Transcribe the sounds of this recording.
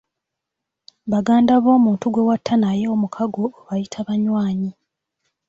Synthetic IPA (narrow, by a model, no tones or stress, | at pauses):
βaɡaːndaβo̞ːmuːntuɡwe̞watʰːanajeomukʰaɡo̞ːβajitʰaβaɲwaːɲi